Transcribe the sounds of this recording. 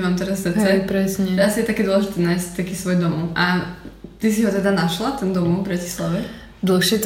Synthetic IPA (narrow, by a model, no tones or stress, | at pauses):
ɛmaːmt̪ɛɾassɾt͡sɛpɾɛsɲɛʒɛasijɛt̪akɛd̪ɔlɛʒit̪ɛnaːjs̚t̪akiːsʋɔjd̪ɔmɔʔat̪is̬iɦɔt̪ɛd̪anaʃlat̪ɛnd̪ɔmɔbɾaci̥slaʋɛ | d̪l̩xʃɛt̪